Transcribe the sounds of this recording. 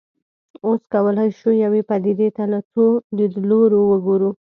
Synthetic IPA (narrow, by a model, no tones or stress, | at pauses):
oskawəlajʃujawepad̪id̪et̪alat͡sod̪əloɾowəɡoɾu